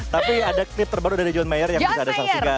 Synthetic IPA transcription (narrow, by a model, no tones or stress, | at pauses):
t̪apiadaklɪp̚t̪ərbaɾudaɾid͡ʒɔnmajərjaŋbisaːdasaksika